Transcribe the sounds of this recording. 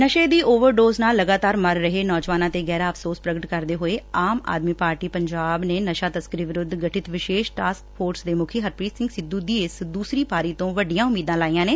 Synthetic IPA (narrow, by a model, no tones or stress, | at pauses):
nəʃeːd̪iːʔoːʋəɾɖoːznaːlːəɡaːt̪aːɾməɾːəɦeːnɔːd͡ʒʋaːnãːt̪eːɡɛːɾaːəpʰsoːspɾəɡəʈkəɾd̪eːɦoːeːaːma̰ːd̪miːpaːɾʈiːpəɲd͡ʒaːbneːnəʃaːt̪əskɾiːʋɪɾʊd̪ɡəʈɪt̪ʋɪʃeːʃʈaːskpʰoːɾsd̪eːmʊkʰiːɦəɾpɾiːsɪ̃ŋɡsɪd̪uːd̪iːɪsd̪uːsɾiːpaːɾiːt̪õːʋəɖijãːʊmiːd̪ãːlaːiːãːneː